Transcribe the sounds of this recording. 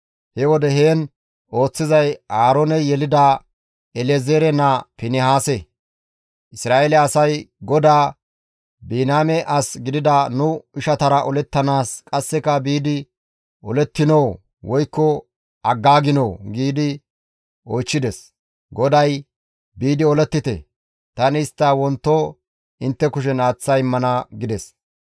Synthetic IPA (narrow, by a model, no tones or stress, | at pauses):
hɛwɔd̪ɛɦeːn | o̞ːt͡sːɪzɐjaːɾoːnɛjɛlɪd̪a | ɛlezeːɾɛnɐpɪnɪhaːsɛ | ʔɪsɾaːʔelɛɐsɐjɡɔd̪aː | biːnaːmɛʔɐsɡɪd̪ɪd̪ɐnʊɪʃɐt̪ɐɾɐʔɔlɛt̪ːɐnaːskʼɐsːɛkɐbiːd̪ɪ | ɔlɛt̪ːɪnoː | wɔjkːɔ | ʔɐɡːaːɡɪnoːɡiːd̪ɪ | oːjt͡ʃːɪd̪ɛs | ɡɔd̪ɐj | biːd̪ɪɔlɛt̪ːɪt̪ɛ̰ | t̪ɐnɪːst̪ːɐwɔnt̪ːɔ | ɪnt̪ːɛkʊʃ̬ɛnaːt͡sːɐjmːɐnɐɡɪd̪ɛs